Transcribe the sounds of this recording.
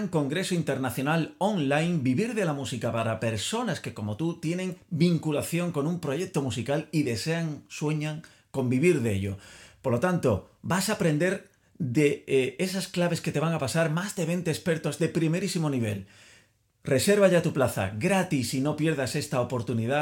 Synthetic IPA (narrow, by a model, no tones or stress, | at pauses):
ŋko̞ŋɡɾe̞soint̪e̞ɾnaθjo̞naloŋlajnbiβiɾðe̞lamusikapaɾape̞ɾso̞naske̞ko̞mo̞t̪ut̪je̞nẽ̞ŋbiŋkulaθjõ̞ŋko̞nũmpɾo̞ʝe̞k̚t̪o̞musikaliðe̞seaŋswe̞ɲaŋ | ko̞mbiβ̞iɾðe̞̰ʎo̰poɾlo̞t̪ant̪obasapɾe̞nd̪e̞ɾ | d̪eesasklaβ̞e̞sket̪e̞βaŋapasaɾmazðe̞β̞e̞nt̪eːspe̞ɾt̪ozðe̞pɾimeɾisimo̞niβ̞e̞l | re̞se̞ɾβ̞aʎat̪uplaθa̰ɡɾat̪isino̞pje̞ɾð̞ase̞st̪aopo̞ɾt̪uniða